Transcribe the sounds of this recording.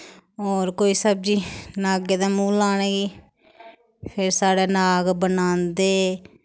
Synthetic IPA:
ɔːɾkoːiːsəb̚d͡ʒiːnaːɡeːd̪aːmũːlaːñeːɡiː | pʰɪɾsaːɽeːnaːɡbənãːnd̪eː

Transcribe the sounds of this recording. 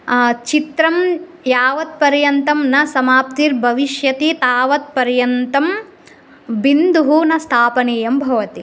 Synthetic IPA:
t͡ʃit̪ɾɐm | jaːʋɐt̪̚pɐɾjɐnt̪ɐmnɐsɐmaːp̚t̪iːɾbʱɐʋiʃjɐt̪it̪aːʋɐt̪̚pɐɾjɐnt̪ɐm | bind̪uɦunɐst̪ʰaːpɐneːjɐmbʱɐʋɐt̪i

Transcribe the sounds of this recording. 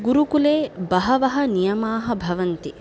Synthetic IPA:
ɡuɾukuleːbɐɦɐʋɐɦɐ̆nijɐmaːɦɐ̆bʱɐʋɐnt̪i

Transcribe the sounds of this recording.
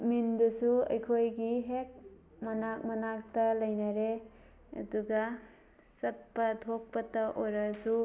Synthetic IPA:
mindusuɐ̰jkʰojɡiɦek̚ | mɐnak̚mɐnak̚tɐlɐjnaɾe | ɐ̰duɡa | sɐt̚pɐtʰok̚pɐtɐʔoɾasu

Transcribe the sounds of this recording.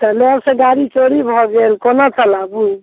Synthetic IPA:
t̪ɔlɔsẽɡaɾit͡ʃoɾibʱɔɡelkonot͡ʃəlabu

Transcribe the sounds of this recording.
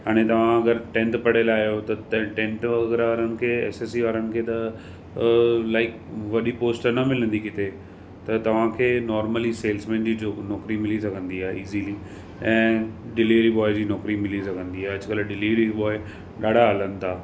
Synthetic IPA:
ɦaːɽ̃et̪ɐʋ̤ãɐɡəɾʈɛ̃ːɳʈpɐɽ̤elaːijot̪ɐt̪ɐʈẽːɳʈɐɡɾaːɾənɪ̆kʰeːɛ̰ːsesiʋaːɾənɪ̆kʰeːt̪ɐ | laːɪk | ʋɐɗipoːsʈəɾnɐmɪlə̃nd̪ikɪt̪e | t̪ɐt̪ɐʋ̤ãkʰeːnɔːɾməliseːlsmɛ̃ːnd͡ʑiːd͡ʑonɔːkɾimɪlisɐɡʱə̃nd̪iaːɦeiːzili | ɛ̃ːɖɪliʋɾiɓɔːɪd͡ʑiːnɔːkɾimɪlisɐɡʱə̃nd̪iaːɦeɐd͡ʑʊkɐlɖɪliːʋɾiɓɔːɪ | ɗaːɖʱaɦɐlənɪ̆t̪ʰaː

